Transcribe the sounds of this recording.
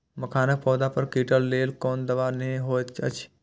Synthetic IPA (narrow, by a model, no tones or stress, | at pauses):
mɐkʰaːnək̚pɔːd̪apəɾkiːʈəlːeːlkoːnd̪əʋaːɾnəɦĩɦoːt̪t͡ʃʰə̰t͡ʃʰ